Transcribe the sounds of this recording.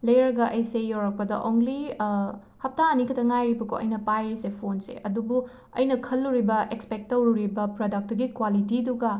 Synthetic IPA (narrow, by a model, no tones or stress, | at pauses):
lɐjɾɐɡɐʔɐjsejowɾɐk̚pɐdɐ̰ʔoŋli | hɐp̚taːnikʰɐtʰɐŋajɾibɐkʰo̰ʔɐ̰jnɐpajɾisepʰonsḛʔɐdubu | ɐ̰jnɐkʰɐlːuɾibɐʔekspek̚tːɐwɾuɾibɐpɾodɐk̚tuɡikwalitiduɡɐ